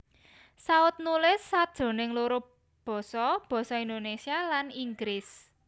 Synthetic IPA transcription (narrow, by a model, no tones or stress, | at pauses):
saʊt̪̚nulɪsːad̥ʒ̥o̤nɪŋloɾʊ | b̥ɔ̤sɔb̥ɔ̤sɔind̪onesialaniŋɡɾɪs